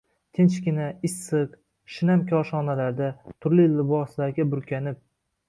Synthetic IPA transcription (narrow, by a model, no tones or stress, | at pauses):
t̪ʰent͡ʃkʲɪnaɪsːɨq | ʃɪnamkʲʰɒʃɒnalaɾd̪at̪ʰʊɾlɪlɪbɒslaɾɡʲabʊɾkʲʰanɪp̚